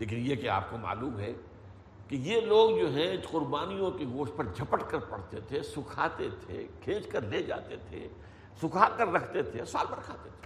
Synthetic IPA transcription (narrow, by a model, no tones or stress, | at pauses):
leːkɪnjekea̰ːp̚koma̰ːluːmɦɛ̰ | kijeloːɡd͡ʒoːɦɛ̃qʊɾbaːnijõkiɡoːʃ̚pɐɾd͡ʒʱɐpəʈkɐɾpɐ̰ɽ̤t̪et̪ʰesʊkʰa̰ːt̪et̪ʰḛkʰẽːt͡ʃkɐɾleːd͡ʒa̰ːt̪et̪ʰḛ | sʊkʰaːkəɾːɐkʰt̪et̪ʰesa̰ːlbɐɾkʰaːt̪et̪ʰe̥